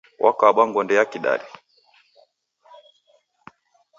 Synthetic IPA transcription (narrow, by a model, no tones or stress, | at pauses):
wʔa̰kaːɓaŋɡɔndɛjakiɗa̰ɾi